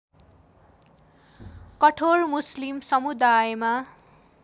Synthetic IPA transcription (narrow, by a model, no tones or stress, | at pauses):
kʌʈʰormuslimsʌmud̪ajema